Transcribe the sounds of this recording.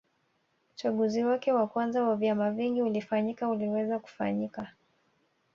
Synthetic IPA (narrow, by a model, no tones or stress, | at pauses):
ut͡ʃaɠuziwakɛwakwanzawavjamaviŋɡiulifaɲikauliwɛzaku̥fa̰ɲika